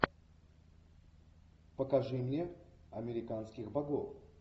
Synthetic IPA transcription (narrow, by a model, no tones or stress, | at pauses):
pəkɐʐɨmnʲeɐmʲɪɾʲɪkanskʲɪxbɐɡof